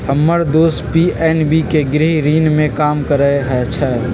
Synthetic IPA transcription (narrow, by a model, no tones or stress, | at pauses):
həmːəɾd̪oːspiːɛːnbikeɡɾɪɦiɾiːnmẽkaːmkəɾəeɦɛt͡ʃʰɛː